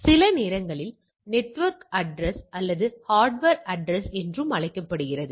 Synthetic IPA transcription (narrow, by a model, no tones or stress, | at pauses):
sɪlɐneːɾɐŋɡɐɭɪl | nɛʈʋɐɾkɐɖɾɛsʔɐlːɐðɯhaːɾɖʋɐɾɐɖɾɛsɛndrɯmɐɭɐɪkːɐpːɐɽɯɣɪrɐðɯ